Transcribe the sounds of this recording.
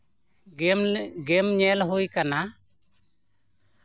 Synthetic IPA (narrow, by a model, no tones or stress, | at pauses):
ɡemɲɛlɦujkana